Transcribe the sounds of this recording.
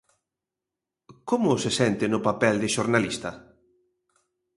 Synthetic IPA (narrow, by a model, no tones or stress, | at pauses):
komʊsɪsɛnt̪ɪnʊpapɛld̪ɪʃoɾnalist̪ɐ